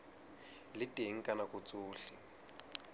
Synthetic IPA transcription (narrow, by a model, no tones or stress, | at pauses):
litʼeŋ̩kʼanakut͡sʼuːɬi